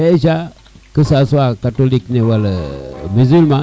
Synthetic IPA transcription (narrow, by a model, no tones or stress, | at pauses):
eʃa | kəsasuwakatoliknewalmizilma